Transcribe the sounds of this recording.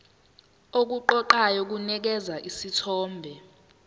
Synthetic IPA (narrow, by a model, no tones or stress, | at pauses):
ok̬uǃɔǃajɔk̬unɛk̬ɛzaʔisitʰɔːmbʱɛ